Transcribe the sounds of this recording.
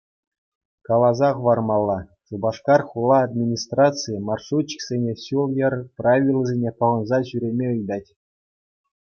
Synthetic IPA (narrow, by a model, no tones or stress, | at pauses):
kɑlˠɑzɑʁɤ̆ʋɑrmɑlˠːɑsubɑʂkɑrχulˠːɑːd̪̚mʲinʲist̪rɑt̪t͡sɨjimɑrʂut͡ɕːi̥ksʲenʲeɕulˠjɤ̆rpravʲilʲˠzʲenʲepɤ̆ʁɤ̆nzɑʑyɾʲemʲeɯjd̪ɑtʲ